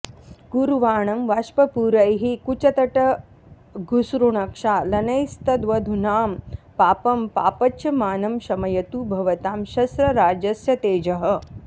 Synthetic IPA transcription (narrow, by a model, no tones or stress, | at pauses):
ɡ̥uɾuʋaːɳɐmʋaʃpɐpuːɾɐjɦikut͡ʃɐt̪ɐʈɐ | ɡʱusɾuɳɐkʂaːlɐnɐjst̪ɐd̪ʋɐd̪ʱunaːm | paːpɐmpa̰ːpɐt͡ʃʰɐmaːnɐmɕɐmɐjɐt̪ubʱɐʋɐt̪aːmʃɐsɾɐɾaːd͡ʒɐsjɐt̪eːd͡ʒɐɦɐ̆